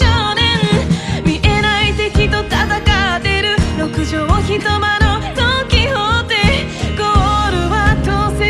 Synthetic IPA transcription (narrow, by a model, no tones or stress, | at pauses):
onẽnmʲiʔe̞nait̪e̞kʲit̪ot̪at̪akad̪e̞ɾɯ̟ɾokɯ̟ʑoːmoçit̪omanot̪okʲihot̪e | ɡ̥oɾɯ̟βat̪ose